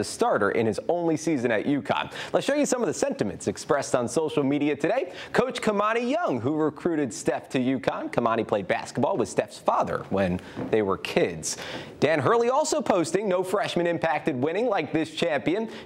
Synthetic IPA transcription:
ɨstɑɹɾə̰˞ʔɨ̰̃nɨzõʊ̃nlisizɨ̃ñɨ̰ʔjʔʉkʰɑ̰̃nlətsʃoʊjɨsʌ̃mʌvðɨsɛ̃ntɨmɨ̰̃ntsɨkspɹɛstn̩soʊʃl̩ˠmiɾiɨtʰɨɾeɪkʰoʊt͡ʃkʰəmɑɾ̃ijʌ̃ŋɦuɹɨkʰɹ̥ʉɾɨd̥stɛftʰɨjʉkʰɑ̃nkʰəmɑñipʰl̥eɪd̚bæ̰skət̚b̥ɔlˠwɨð̥stɛfsfɑðə̰˞wə̃nðeɪwə̰˞kʰɪdz̥d̥æ̃nɦɜ˞lˠiɔlˠsoʊpʰoʊstɪ̃ŋnoʊfɹɛʃmɨ̃ñɨ̃mpʰæk̚tɨd̚wɪ̃ñɪ̃ŋlaɪk̚ðɪst͡ʃʰæ̃mpiɨ̃n

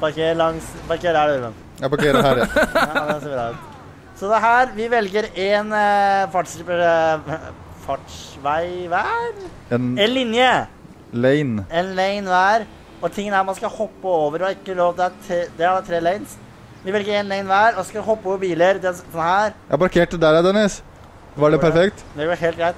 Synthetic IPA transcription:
pʰɑɾkelɑŋspɑɾkeːɾæɖʉɾʋən | jpɑɾkeːɾhæɾjɑd̪ɛseʋɪd̪ɑːʉt̪ | sɔd̪ɛɦæːɾʋɪʋɛlɡəɾeːnfɑʈʂə | fɑʈʂʋæɪʋæːɾ | ɛɛnlɪnjə | leɪnɛnleɪnʋæːɾ | ɔt̪ʰɪŋːənæɾmɑnskɑhɔpːəoːʋəɾhɑɾɪkːəloːʋt̪ɪæt̪ʰːd̪ɛɾɑlːət̪ʰɾeːlɛɪns | ʋɪʋɛlɡəɾɛnleɪnʋæːɾɔskɑhɔpːoːʋəɾbiːləɾd̪ɛsɔnhæːɾjæ̰pɑɾkʰeːʈəd̪æɾd̪ɛnɪs | ʋɑɖɛpæɾfɛkt̪d̪ɛɡɔːɾɦeːl̚ɡɾæɪt̪

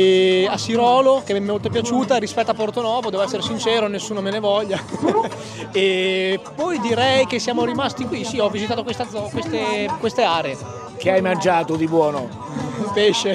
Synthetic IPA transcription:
asːiɾɔːlokemɛmːemolt̪opjat͡ʃuːt̪aɾispɛt̪ːoapːort̪onɔːvod̪ɛːvoɛsːeɾesint͡ʃɛːɾonesːuːnomenevɔʎːa | epɔjd̪iɾɛjk̟esːjaːmoɾimast̪ikwisiɔvːizit̪aːt̪okwest̪ad̪zɔkwest̪ekwest̪eaːɾee | k̟eajmand͡ʒaːt̪od̪ibwɔːno | peʃːe

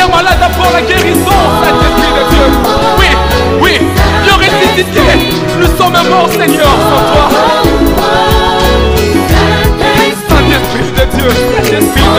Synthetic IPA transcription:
ɛmãlad̪apwɔʁlaɡʲeʁizɔ̃sɛ̃t̪ɛ̃spχid̪əd̪jø | wi | wilɔʁɛd̪isit̪e | nusɔmɛ̃mɔʁsɛɲœʁpɔʁt̪wa | sɛ̃t̪ɛspχid̪əd̪jøɛ̃t̪ɛ̃spi

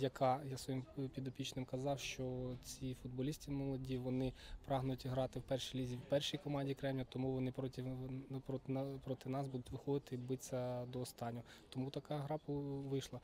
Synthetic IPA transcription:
jɐkɑjasʋɔjimpʲid̪ɔpʲit͡ʃnɪmkɐzɑwʃt͡ʃɔt͡sʲifʊd̪̚bɔlʲisʲtʲimɔlˠɔdʲiʋɔnɪpɾɑɦnʊjʊtʲɦɾɑt̪ɪwpɛrʃilʲizʲiwpɛrʃijkɔmɑnʲdʲikɾɛmjʲɐt̪ɔmuʋɔnɪpɾɔtʲipɾɔpɾɔt̪ɪnɑsbud̪ʊtʲʋɪxɔd̪ɪt̪ɪbɪt͡sʲːɐd̪ɔːst̪ɑnʲːɔ | t̪ɔmut̪ɐkɑɦɾɑpʊʋɪʃlˠɐ

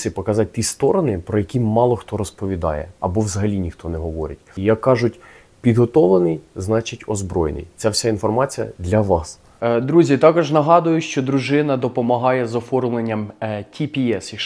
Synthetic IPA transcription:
sʲɪpɔkɐzɑt̚ʲt̪ʲist̪ɔɾɔnɪpɾɔjɐkʲimɑlˠɔxt̪ɔɾɔspɔʋʲid̪ɑ̰jɛ̰ɐbɔʋzɐɦɐlʲinʲixt̪ɔnɛɦɔʋɔɾʲɪ̰tʲjɐkːɑʒʊtʲ | pʲid̪ɦɔt̪ɔlˠenɪjznɑt͡ʃɪtʲɔzbɾɔjnɪ̰jt͡sʲawsʲainfɔrmɑt͡sʲijɐ̰d̪lʲɐʋɑs | d̪ɾuzʲit̪ɑkɔʒnɐɦɑd̪ʊjʊʃt͡ʃɔd̪ɾʊʒɪnɐd̪ɔpɔmɐɦɑjɛzɔfɔrmlˠenʲːɐmtʲʰipʲiɛsɐ

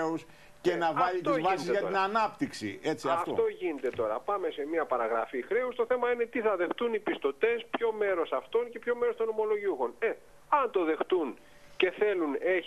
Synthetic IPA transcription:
us | cenɐvɐʎit̪iozvɐsizʝɐt̪inɐnɐpt̪iksḭe̞t͡siɐɐfto̰t̪o̞ʝinet̪e̞t̪o̞ɾɐ̰pɐme̞se̞miɐpɐɾɐɣɾɐ̰fixɾe̞ust̪o̞θe̞mɐine̞t̪iθɐðe̞xt̪unipist̪o̞t̪e̞spço̞me̞ɾo̞sɐft̪o̞nce̞pço̞meɾo̞st̪o̞no̞mo̞lo̞ʝiuxo̞ne | ɐnt̪o̞ðe̞xt̪un | ce̞θe̞lune̞

